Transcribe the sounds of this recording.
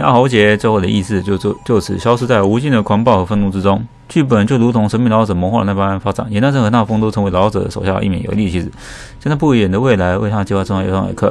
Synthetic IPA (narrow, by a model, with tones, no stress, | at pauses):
a̰˥˩xɑ˧˥t͡ɕjɛ˧˥t͡swe˥˧xo˥˩d̪ə̰˩˧ʔi˥˧sɹ̩˥˧t͡ɕo˥˧ʊ˥˧t͡ɕjo˥˩ʊt͡sʰɹ̩˨˩ɕjɑ˥ʊʂɻ̩˥t͡sa˥˩ɪu˧˥t͡ɕi˥˩nd̪ə˩kʰa˧˥npɑ˥˩ʊxɤ˧˥fə˥˧nu˥˩ʈ͡ʂɻ̩˥ʈ͡ʂʊ˥ŋ | t͡ɕy˥˩p̬ə˨˩nt͡ɕjo˥˩ʊɻu˧˥t̪ʰʊ˧˥ŋʂə˧˥nmi˥˩ŋlɑ˧˥ʈ͡ʂɤ˨˩mə˧˥xna˥˩pa˥nfa˥ʈ͡ʂa̰˨˩njɛ˧˥na˥nʈ͡ʂə˥˩nxnt̪a˥˩˧fɤ˥ŋt̪o˥ʊt͡sʰɤ˧˥we˧˥ɪlɑ˧˥ʊʈ͡ʂɤ̰˨˩ə̰˦˩ʂo˨˩ʊɕjɑ̰˥˩˦ʔi˥˩jɛ̰˨˥˩jo̰˧˥li˥˩t͡ɕʰi˧˥ʂ̩˨˩ | ɕɛ˥˧na˥˧pu˥˩i˥jɛ˨˩nd̪ə˦we˥˩ɪla˧˥ɪwe˥˧ɪt̪ʰa˥˧t͡ɕi˥wʈ͡ʂj̰ɑ˥˩ə̰˨˩kʰɤ̰˥˩